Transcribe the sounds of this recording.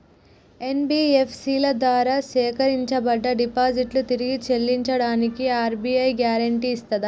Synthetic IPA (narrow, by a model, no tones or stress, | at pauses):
e̞nbiːepʰsilɐd̪ʋaːɾaːsɛːkɐɾiɲt͡ʃɐbɐɖːɐɖipaːd͡ʒiʈlut̪iɾiɡit͡ʃelːiɲt͡ʃɐɽaːnikiaːɾbiɐjɡjaːɾɐɳʈiːst̪ɐd̪ɐ